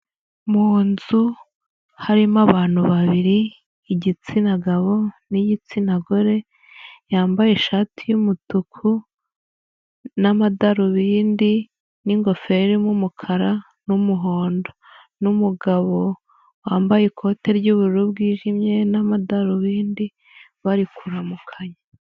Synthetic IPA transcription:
muːnzu | haɾimaβaːn̥huβaβiɾiː | ɟit͡sinaɡaβo̞nijit͡sinaɡoɾe̞ | jaːmbaje̞ʃaːtʰijumutukʰu | namadaɾuβiːndi | niŋɡo̞fe̞ɾimumukʰaɾa | numuɦo̞ːndo̞ | numuɡaβo̞ | waːmbajekʰo̞ːtʰe̞ɾɟuβuɾuɾub̚ɡiːʒimɲe̞namadaɾoβiːndi | βaɾikʰuɾamukʰaɲa

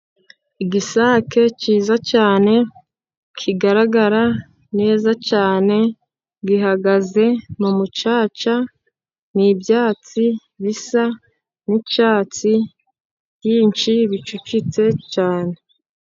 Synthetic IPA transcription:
iɡisaːke̞ciːzacaːne̞ | kʰiɡaɾaɡaɾa | ne̞ːzacaːne̞ | ɡiɦaɡaze̞mumut͡ʃaːt͡ʃa | nibjaːt͡si | βisa | nit͡ʃaːt͡si | jiːnt͡ʃiβit͡ʃucit͡se̞t͡ʃaːne̞

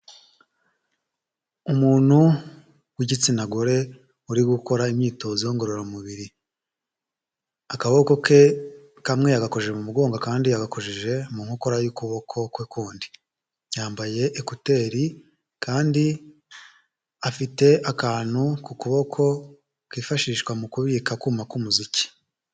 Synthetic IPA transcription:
umuːn̥hu | wiɟit͡sinaɡo̞ɾe̞ | uɾiɡuko̞ɾaimɲiːto̞zijo̞ŋɡo̞ɾo̞ɾamuβiɾi | akaβoko̞ke̞ | kamŋe̞jaɡako̞ʒeʒemumuɡo̞ːŋɡakaːndijaɡako̞ʒeʒe̞muŋ̥uko̞ɾajukuβo̞kʰo̞kwekuːndi̥ | jaːmbaje̞ʔekute̞ːɾi | kʰaːndi | afite̞ʔakaːn̥hukukuβo̞kʰo̞ | kiːfaʃiːʃkwamukuβiːkakumakumuzici̥

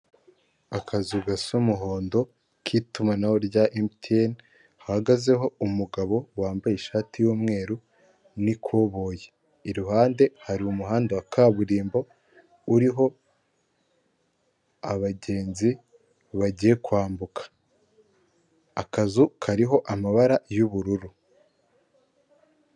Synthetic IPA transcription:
akazuɡasumuɦo̞ːndo̞ | kʰitumanawoɾɟaʔemtʰien | hahaɡaze̞ɦo̞umuɡaβo̞waːmbajeʃaːtijuːmŋe̞ːɾu | nikʰwoβo̞je | iɾuɦaːnde̞haɾiumuɦaːndawakʰaβuɾiːmbo̞ | uɾiɦo̞ | aβaɟe̞ːnzi | βaɟije̞kwaːmbukʰḁ | kazukʰaɾiɦo̞ʔamaβaɾajuβuɾuɾu

